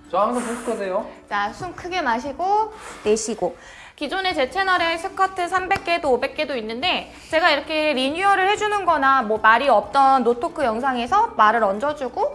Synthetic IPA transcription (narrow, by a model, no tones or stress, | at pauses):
t͡ɕoaŋs̬ʰʌpoɕk͈ʌsʰejot͡ɕasʰumkʰɯɡe̞maɕ̬ʰiɡote̞ɕʰiɡo | kid͡ʑone̞t͡ɕe̞t͡ɕʰe̞nʌɾe̞sʰɯkʰatʰɯsʰambe̞k̚k͈e̞doːbe̞k̚k͈e̞doinːɯnde̞ | t͡ɕe̞ɡaiɾʌkʰe̞ɾiɲuʌɾɯɭhe̞d͡ʑunɯnɡʌnamwʌmaɾiʌp̚t͈ʌnːotʰokʰɯjʌŋs̬ʰaŋe̞sʰʌmaɾɯɾʌnd͡ʑʌd͡ʑuɡo